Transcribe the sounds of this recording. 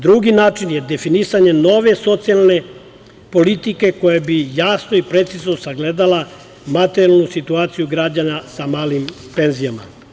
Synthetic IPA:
d̪ɾuɡinaːt͡ʃinje̞d̪e̞finisaɲe̞no̞ʋe̞so̞t̪sijalˠne | po̞lit̪ike̞ko̞jabijaːsnoipɾe̞t̪siznosaɡled̪ala | mat̪eɾijalˠnusit̪uaːt̪sijuɡɾad͡ʑanasamaːlim | pe̞nzijama̰

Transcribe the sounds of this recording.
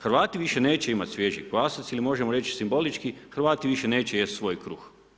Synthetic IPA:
xɾ̩ʋaːt̪iʋiʃeneːt͡ɕeimat̪ʲsʋjeʒḭɡlaːsat̪silimo̞ʒemoɾet͡ʃsimbo̞lit͡ʃkixɾʋaːt̪iʋiʃeneːt͡ɕejest̪sʋo̞ːjkɾuːx

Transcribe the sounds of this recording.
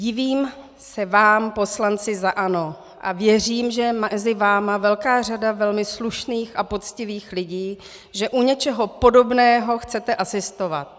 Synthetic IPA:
ɟɪviːm | sɛvaːmpo̞slant͡sɪzaʔano̞ | ʔa̰vjɛr̝iːmʒɛmɛzɪvaːmavɛlkaːr̝adavɛlmɪsluʃniːxʔapo̞t͡scɪviːxlɪɟiː | ʒɛʔuɲɛt͡ʃɛɦopo̞do̞bnɛːɦo̞xt͡sɛt̪ɛʔasɪst̪o̞vat̪̚

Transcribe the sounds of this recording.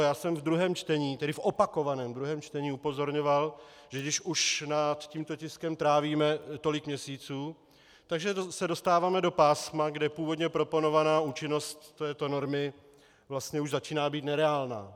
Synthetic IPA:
jaːsɛmvd̪ɾuɦɛːmt͡ʃt̪ɛɲiːt̪ɛdɪfʔo̞pako̞vanɛːmd̪ɾuɦɛːmt͡ʃt̪ɛɲiːupo̞zo̞ɾɲo̞valʒ̥ɛɡdɪʃʔuʃnat̪ciːmt̪o̞cɪskɛmt̪ɾaːviːmɛt̪o̞lɪkmɲɛsiːt͡suː | t̪aɡʒɛsɛdo̞st̪aːvaːmɛdo̞paːsmaɡdɛpuːvo̞d̪ɲɛpɾo̞po̞no̞vanaːuːt͡ʃɪnost̪ːɛːt̪ono̞ɾmɪ | vlast̪ɲɛuʒzat͡ʃiːnaːbiːt̪nɛɾɛaːlna̰ː

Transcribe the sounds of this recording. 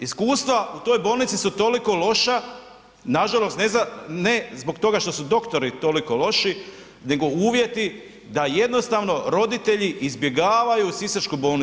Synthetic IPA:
iskuːst̪ʋaut̪o̞ːjbo̞ːlˠnit̪sisut̪o̞liko̞lo̞ʃa | naʒalo̞st̪nezanezbo̞kt̪o̞ɡaʃt̪o̞sud̪o̞kt̪o̞ɾit̪o̞liko̞lo̞ʃi | ne̞ɡo̞uːʋje̞t̪i | d̪aje̞d̪no̞st̪aʋno̞ɾo̞d̪it̪e̞ʎiʔizbje̞ɡaːʋajusisaɾt͡ʃkubo̞ːlni

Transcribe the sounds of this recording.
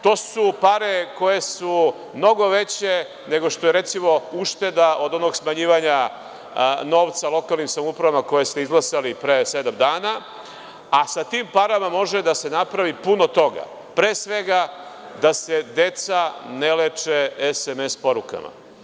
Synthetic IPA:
t̪o̞ːsupaɾe̞ko̞je̞su | mno̞ɡo̞ʋe̞t͡ɕe̞ | ne̞ɡoʃt̪o̞je̞ɾe̞t̪simo̞uʂt̪e̞d̪aʔo̞d̪o̞no̞ɡsmaɲiːʋaɲa | no̞ːʋt̪salˠo̞kalˠnimsamupɾaʋamako̞je̞st̪eizɡlˠasalipɾese̞d̪amd̪aːna | asat̪iːmpaɾamamo̞ʒed̪ase̞napɾaʋipuno̞t̪o̞ɡa̰ | pɾeːsʋe̞ɡa | d̪ase̞d̪e̞t̪sanelet͡ʂeesemespo̞ɾuka̰ma̰

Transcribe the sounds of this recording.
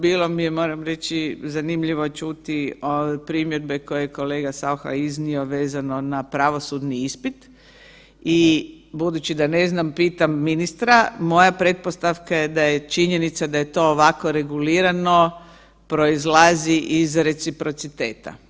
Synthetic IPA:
biːlˠo̞mijemo̞ːɾamɾe̞t͡ʃizanimʎiʋo̞t͡ʃut̪iopɾimjed̪̚be̞ko̞jejeko̞le̞ːɡasaoxa̰iznio̞ʋeːzano̞napɾaʋo̞sud̪niispit̪ | ibud̪ut͡ʃid̪ane̞znampiːt̪amːinist̪ɾamo̞japɾe̞t̪̚po̞st̪aʋkaje̞d̪ajet͡ʃiɲe̞nit̪sad̪aje̞t̪o̞ːʋakoɾe̞ɡuliːɾano̞ | pɾo̞izlaziʔizɾe̞t̪sipɾo̞t̪sit̪e̞ːt̪a̰

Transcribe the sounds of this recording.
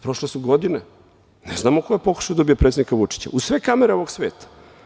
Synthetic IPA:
pɾoʃlesuɡo̞d̪ine | nḛznaːmoko̞jepo̞ku̥ʃaod̪obijapɾet̪ed̪nikaʋut͡ʂi̥t͡ɕa̰usʋe̞kameɾeo̞ʋoɡsʋe̞ːt̪ḁ

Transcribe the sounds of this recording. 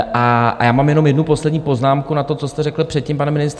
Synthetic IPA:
ʔaa̰jaːmaːmjɛno̞mjɛdnupo̞slɛdɲiːpo̞znaːmkunat̪o̞t͡so̞st̪ɛrɛkl̩pr̥ɛt̪̚cimpanɛmɪnɪst̪

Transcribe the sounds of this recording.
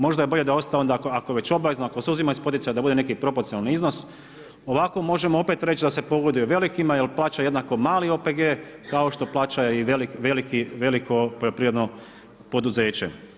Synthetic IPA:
mo̞ʒd̪aje̞bo̞ʎe̞d̪ao̞st̪aond̪akoakoʋe̞t͡ɕo̞blaʋeznoakoseuzimaispo̞t̪it̪ajad̪abud̪e̞ne̞kipɾo̞poɾt̪sionalaniizno̞s | oʋako̞mo̞ʒe̞moope̞t̪ɾet͡ɕt͡ʃd̪ase̞po̞ɡod̪ujeʋe̞likimajelplˠaːt͡ɕaje̞d̪nako̞maːlio̞ːpe̞ɡeːkaoʃt̪o̞plˠaːt͡ɕajeiʋelikʋe̞likiʋelikʰo̞poʎo̞pɾiʋɾe̞d̪no̞ | po̞d̪uze̞ːt͡ɕḛ

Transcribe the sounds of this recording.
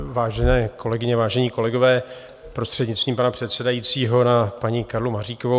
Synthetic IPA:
vaːʒɛnɛːko̞lɛɡɪɲɛvaːʒɛɲiːko̞lɛɡo̞vɛː | pɾo̞st̪r̥ɛdɲɪt͡st̪viːmpanapr̥ɛt̪sɛdajit͡siːɦo̞napaɲɪkaɾlumariːkovo

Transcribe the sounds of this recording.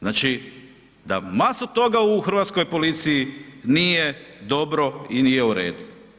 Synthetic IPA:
znaːt͡ʃi | d̪a̰masot̪o̞ɡauxr̩ʋat̪skojpo̞lit̪sijinijed̪o̞bɾo̞inije̞uɾḛːd̪u

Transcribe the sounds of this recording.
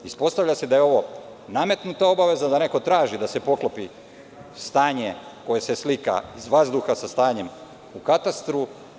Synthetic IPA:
ispo̞st̪aʋʎase̞d̪ajeo̞ʋo̞ | name̞t̪nut̪ao̞baʋe̞zad̪ane̞ko̞t̪ɾaːʒid̪ase̞po̞klopi | st̪aːɲe̞ko̞je̞se̞slika̰izʋazd̪uxasast̪aːɲe̞m | ukat̪ast̪ɾu

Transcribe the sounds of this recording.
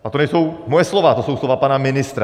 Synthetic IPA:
at̪ɔɲɛsuʊmɔjɛslɔʋaːt̪ɔsuʊslɔʋaːpaːnaminist̪ɾa

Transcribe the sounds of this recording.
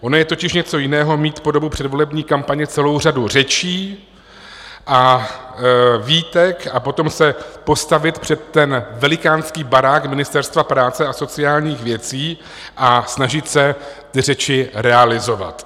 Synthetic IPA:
ʔo̞nojɛt̪o̞cɪʃɲɛt͡so̞jɪnɛːɦo̞miːt̪po̞do̞bupr̥ɛdvo̞lɛbɲiːkampaɲɛt͡sɛlo̞wr̝adur̝ɛt͡ʃiː | ʔa | viːt̪ɛkapo̞t̪o̞msɛpo̞st̪avɪt̪pr̝̥ɛt̪ːɛnvɛlɪkaːnskiːbaɾaːkmɪnɪst̪ɛɾst̪vapɾaːt͡sɛʔaso̞t͡sɪaːlɲiːxvjɛt͡siː | ʔasnaʒɪt̪sɛt̪ɪrɛt͡ʃɪɾɛalɪzo̞va̰t̪

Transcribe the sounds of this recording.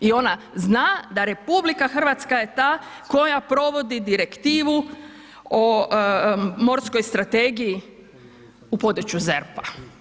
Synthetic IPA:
io̞na | znaːd̪aɾe̞publikaxr̩ʋat̪skaje̞t̪aː | ko̞japɾo̞ʋo̞d̪id̪iɾe̞kt̪iːʋu | o | mo̞ɾsko̞jst̪ɾat̪eːɡiji | upo̞d̪ut͡ɕuzeɾpa

